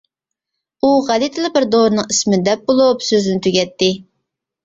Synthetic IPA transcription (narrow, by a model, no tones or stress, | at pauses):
uʁælit̪ʰɨlˠɨbɪɾd̪oɾɨnɨŋismɪd̪ɛp̚bolˠupsøzɪnɪt̪ʰyɡʲɛt̪ʰːɪ